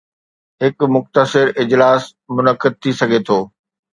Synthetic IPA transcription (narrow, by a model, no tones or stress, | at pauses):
ɦɪkmʊxt̪əsɪɾɪd͡ʑlaːsmʊnəkːɪd̪̚t̪ʰisɐɡʱet̪ʰoː